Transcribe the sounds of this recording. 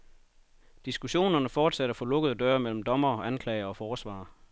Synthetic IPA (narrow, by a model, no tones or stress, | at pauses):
d̥isɡ̥uɕo̝̰ːnɐnəfɒːd̥sæɾɐfɒ̽lɔ̽ɡ̥əð̞̩ˠd̥ɶːɐmel̰m̩d̥ɒ̽mɐɒʔænkʰlɛɪɐɒ̽fɒːsʋɑ̰̈ː